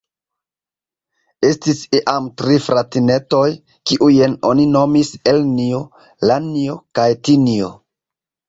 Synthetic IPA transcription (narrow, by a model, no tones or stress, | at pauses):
e̞stisiʔamtɾifɾatine̞to̞j | kiʔujeno̞̰nino̞miselnio | lanio̞kajtinio